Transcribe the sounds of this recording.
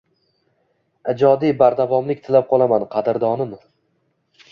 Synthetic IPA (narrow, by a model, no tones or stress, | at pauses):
ɪd͡ʒɒd̪ibaɾd̪avɒmlɪk̚ʲt̪ʰɪlap̚qʰɒlˠamanqʰɑd̪ɪɾd̪ɒnɪm